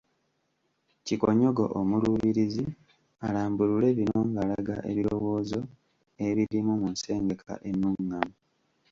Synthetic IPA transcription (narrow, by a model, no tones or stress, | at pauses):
cikoɲo̞ɡo̰ʔomuluβiɾizi | alaːmbulule̞βinoːŋɡalaɡa̰ʔḛβiɾo̞wo̞ːzo̞ | e̞βiɾimumunse̞ːŋɡe̞kʰa̰ʔenːuŋːamo